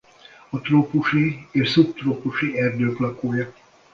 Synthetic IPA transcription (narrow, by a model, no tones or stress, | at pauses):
ɒt̪roːpuʃieːʃsupt̪roːpuʃiɛrd̪øːklɒkoːjɒ